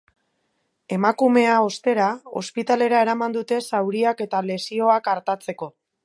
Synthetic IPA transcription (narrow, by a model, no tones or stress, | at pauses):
e̞makume̞ao̞st̪e̞ɾao̞̰spit̪ale̞ɾae̞ɾamand̪ut̪e̞sawɾiake̞t̪ale̞sio̞akaɾt̪at͡se̞ko̞